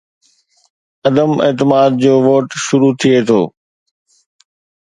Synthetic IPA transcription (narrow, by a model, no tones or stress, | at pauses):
ɐd̪əmḛːt̪ɪmaːd̪̚d͡ʑoːʋoːʈʃʊɾut̪ʰiet̪ʰo̰ː